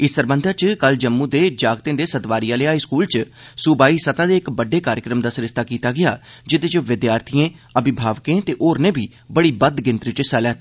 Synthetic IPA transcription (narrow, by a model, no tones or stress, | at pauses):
ɪsːəɾbə̃nd̪ʱaːt͡ʃkəld͡ʒəmːũːd̪eːd͡ʒaːɡt̪ẽːd̪eːsət̪ʋaːɾijãːleaːiskuːlt͡ʃ | sʊbaːiːsət̪ãːd̪eːɪkbəɖeːkaːɾjɪkɾəmd̪aːsɾɪʃt̪ʰaːkiːt̪aːɡɪjaː | d͡ʒɪd̪eːt͡ʃʋɪd̪jaːɾt̪ʰiẽːəbɪbʱaːʋkẽːt̪eːʔoːɾnẽːbʱiː | bəɽiːbəd̪ɡɪ̃nt̪ɾit͡ʃsɛːlaːt̪ː